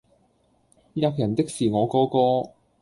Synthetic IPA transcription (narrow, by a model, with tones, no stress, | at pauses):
jɐ˧k̚jɐ˨˩nt̪ɪ˥k̚siː˨˩ŋɔː˨˧kɔː˨˧kɔː˧